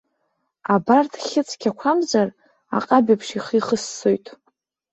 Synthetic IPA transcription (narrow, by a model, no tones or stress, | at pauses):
abartʰχʲɪt͡sʰʼkʲʰakʷʰamzar | a̰qʼabipʰʂiχiχəsːojtʼ